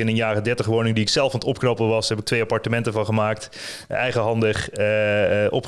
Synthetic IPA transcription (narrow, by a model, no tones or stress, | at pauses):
ɪnənjaːrədɛɹtəχʋownɪŋdiɪksɛlˠfɑnətɔp̚knɑpəʋɑsɦɛpɪk̚tʋejapɑɹtəmɛntəvɑnχəmaːkt | ɛjχəɦɑndəχ | ʔɔ̰p